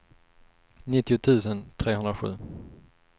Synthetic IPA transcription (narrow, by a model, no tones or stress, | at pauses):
nɪt̪ːɪʊt̪ʰʉ̟ːsənt̪ʰɾeːhɵnɾaɧʉ̟̰ː